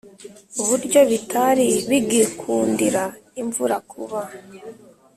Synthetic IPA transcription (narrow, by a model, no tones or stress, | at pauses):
uβuɾɟo̞βitʰaɾiβiɡikʰuːndiɾaiɱvuɾakʰuβa